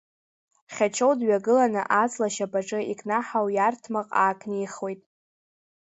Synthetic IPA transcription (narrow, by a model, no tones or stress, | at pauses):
χʲat͡ʃʰowdɥaɡɨlanɨʔat͡sʼlaʃapʼaʈ͡ʂʼɨikʰʼnaħawjartʰmaqʼaːkʰʼnijχojtʼ